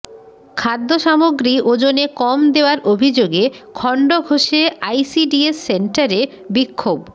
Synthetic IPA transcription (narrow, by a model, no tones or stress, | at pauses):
kʰad̪ːoʃamoɡɾiʔod͡ʑonekɔmd̪eoaɾʔobʱid͡ʑoɡekʰɔɳɖoɡʱoʃeajsiɖiesːeɳʈaɾe | bikʰːob